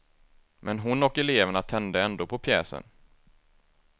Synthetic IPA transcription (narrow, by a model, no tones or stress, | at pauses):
mʔɛnɦʊnɔkːɛleːvəɳat̪ʰɛnd̪əɛnd̪oːpʰɔpʰjɛːsə̰n